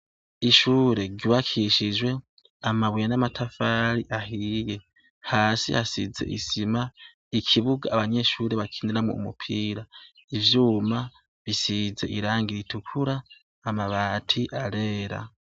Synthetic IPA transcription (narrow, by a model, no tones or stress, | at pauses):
iʃuːɾe̞ɾɡɟuβakʰiʃid͡ʒwe̞ | amaβwijanamatʰafaɾiʔaɦije̞ | haːsḭhasḭze̞̰ʔḭsima | ikʰiβuɡaːβaɲe̞ʃuːɾe̞βakʰiːndiɾamŋoṵmṵpʰiːɾa | ivjuːma | βisize̞ʔiɾaːŋɡiɾitukʰuɾaː | maβatʰiʔaɾe̞ːɾa̰